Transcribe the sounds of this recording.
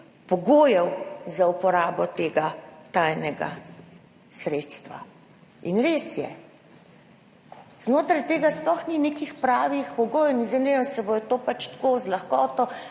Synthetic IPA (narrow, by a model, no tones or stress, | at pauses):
pɔɡoːjɛwzaupɔɾaːbɔt̪eːɡat̪ajnɛɡa̰ | sɾeːt̪st̪ʋa̰ | inɾeːsjɛ̰ | z̥noːt̪ɾajt̪eːɡasplɔxnineːkixpɾaːʋixpɔɡoːjnizenenasɛbojɛt̪oːpat͡ʃt̪koːzlaxkɔːt̪ɔ